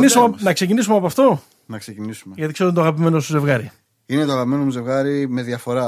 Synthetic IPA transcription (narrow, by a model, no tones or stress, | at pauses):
nisumnɐkse̞cinisumeɐpɐft̪o̞ | nɐksecinisumeʝɐt̪ikseoint̪oɐɣɐp̬ime̞nost̪uze̞vɣɐɾi | inet̪oɐɣɐpime̞nomuzevɣɐɾime̞ðjɐfo̞ɾɐ